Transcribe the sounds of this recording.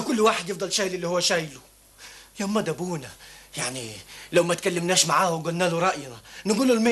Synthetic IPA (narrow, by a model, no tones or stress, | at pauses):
kʊlːwaːħed̪jefd̪ˤɑlʃaːjlɪlːihʊwːæʃæːjlʊ | jomːæd̪æbuːnæjaʕnilawmæt̪̚kalːɪmnæːʃmaʕaːhwɡʊlnæːlʊɾˤɑʔjnɑnɪɡuːlʊlmeː